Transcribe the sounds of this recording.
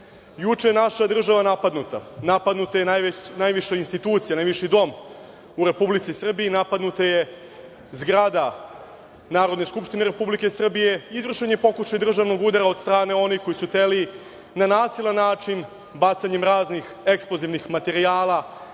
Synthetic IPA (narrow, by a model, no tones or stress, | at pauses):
jut͡ʂejenaʃad̪r̩ʒaʋanapad̪nut̪anapad̪nut̪ajeanajʋiʃainst̪it̪uːt̪sijanajʋiʃid̪o̞m | uɾe̞publit̪sisr̩biinapad̪nut̪aje̞ | zɡɾad̪a | naːɾo̞d̪ne̞skupʃt̪ine̞ɾe̞publike̞sr̩bije̞izvr̩ʃeɲepo̞kuʃajd̪r̩ʒaʋno̞ɡud̪aɾaod̪st̪ɾaːne̞o̞nixko̞jisut̪eli | nanaːsilˠanːaːt͡ʂin | bat̪saɲe̞mɾaːznix | eksploziʋnixmat̪e̞ɾiaːlˠa